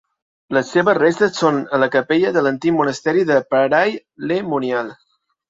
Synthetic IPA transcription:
ləsːeβəzrest̪əssonələkəpeʎəðələnt̪ikmunəst̪ɛɾiðəpəɾaj | lemunjalˠ

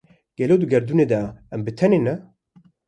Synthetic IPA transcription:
ɡ̥ɛloːd̪ɨɡɛɾd̪uned̪ɛɛmbɨt̪ʰɛnenɛ

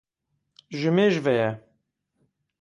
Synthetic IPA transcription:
ʒɨmeːʒvɛjɛ

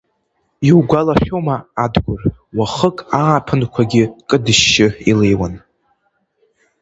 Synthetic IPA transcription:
iwɡʷalaχʲomaːdɡʷʊr | waχəkʼaːpʰɨnkʷʰaɡʲɪkʼɨdɨʃːɪilejwan

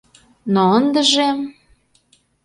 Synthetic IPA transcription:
noənd̪ə̆ʒe

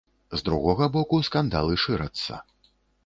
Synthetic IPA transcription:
zd̪ɾuɣɔɣɐbɔkuskand̪a̰lˠɨʂɨɾɐt̪sːɐ̰

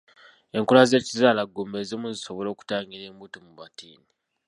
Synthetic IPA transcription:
e̞ŋkulaze̞ːcizaːlaɡombeːzimuziso̞βo̞lo̞ːku̥taːŋɡiɾe̞ːmbutomuβatʰiːni

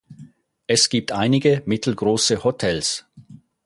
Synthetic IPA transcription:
ʔɛsɡ̥iːp̚tʔaɪnɪɡəmɪtʰl̩ɡʁoːsəhotʰɛls

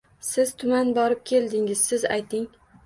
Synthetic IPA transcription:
sɪz̥t̪ʰʊmanbɒɾɪp̚kʲʰe̞ld̪ɪŋɪz̥sɪza̰jt̪ʰɪŋ

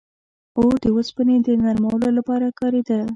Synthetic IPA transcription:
od̪əwəspəned̪ənaɾmawəlolapɑɾakɑɾed̪a

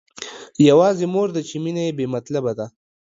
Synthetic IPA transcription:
jawɑːzimoːɾd̪ət͡ʃiminajebemat̪labad̪a

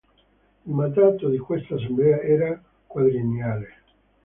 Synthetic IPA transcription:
imand̪aːt̪od̪ikwest̪aːs̬emblɛaɛːɾa | kwaðɾinjaːle

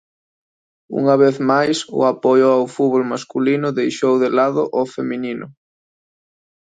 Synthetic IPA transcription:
ṵŋɐβeθmajsʊ̰apɔjʊawfuβolmaskulinʊðejʃowðelaðʊʔɔfemininʊ̰

